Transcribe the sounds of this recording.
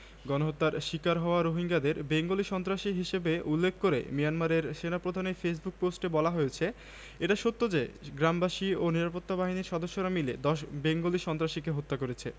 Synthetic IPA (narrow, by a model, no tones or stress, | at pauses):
ɡɔnoɦot̪ːaɾʃikaɾɦɔoaɾoɦiŋɡad̪eɾbeŋɡoliʃɔnt̪ɾaʃiɦiʃebeulːekʰːkoɾḛmijanmaɾeɾʃenapɾod̪ʱaneɾfes̬buk̚posʈebɔlaɦojet͡ɕʰe | eʈaʃot̪ːod͡ʑeɡɾambaʃioniɾapot̪ːabaɦiniɾʃɔd̪oʃːoɾamiled̪ɔʃbeŋɡoliʃɔnt̪ɾaʃikeɦot̪ːakoɾet͡ɕʰe